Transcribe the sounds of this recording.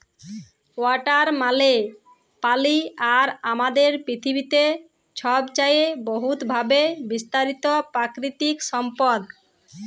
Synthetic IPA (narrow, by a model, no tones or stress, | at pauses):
waʈaɾmale | paliaɾamad̪eɾpɾit̪ʰibit̪e | t͡ɕʰɔbt͡ɕajeboɦut̪bʱabebist̪aɾit̪opɾakɾit̪ikʃɔmpɔd̪